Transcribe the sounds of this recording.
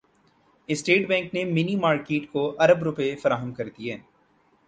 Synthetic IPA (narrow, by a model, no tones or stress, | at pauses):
ɪsʈeːʈbɛ̃ːŋknemɪnimaːɾkeːʈkoʔɐɾəbɾʊpːfɐɾaːɦəmkɐɾd̪iɛː